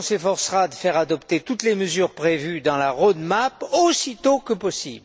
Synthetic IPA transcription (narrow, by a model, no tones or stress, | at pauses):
sefɔʁsʁad̪əfɛʁad̪ɔpt̪et̪ut̪leməzyʁpχevyd̪ɑ̃laʁod̪maposit̪okəpɔsḭbl